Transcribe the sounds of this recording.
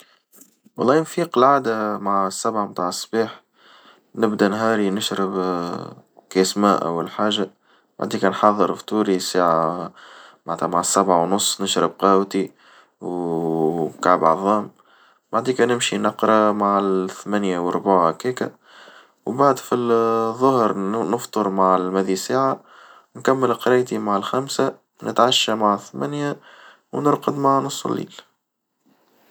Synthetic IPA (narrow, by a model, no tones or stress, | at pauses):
wɑlˤːɑːnfiːqlʕaːd̪amaʕsːæbʕamt̪aːʕəsːbiːħ | nɪbd̪ænɦɑːɾinɪʃɾɪb | kæsmæ̰ːʔæ̰wːalħaːʒa | b̥aʕd̪iːkænħɑðˤːəɾft̪ˤuːɾisaːʕa | maʕt̪ʰæmaʕsːæbʕawnʊsˤːnɪʃɾɪb̚qɑːwt̪i | w | kaʕbʕɑðˤɑːm | baʕd̪ikænɪmʃinɑqɾˤɑmaʕθmænjawəɾˤbaʕakiːkæ̰ | wbaʕd̪fiðˤːʊhɾnəft̪ˤoɾmaʕlmæðisaːʕa | nkæmːəlqɾˤɑjt̪imaʕalxæmsa | nɪ̰t̪ʕaʃːæmaʕθmænja | wnʊɾqəd̪maʕnʊsˤːə̰lːḭːl